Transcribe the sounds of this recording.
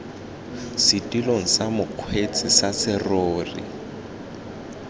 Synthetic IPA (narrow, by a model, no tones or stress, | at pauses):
sɪtʼiloŋ̩samʊkʰwet͡sʼɪsasɪroːrḭ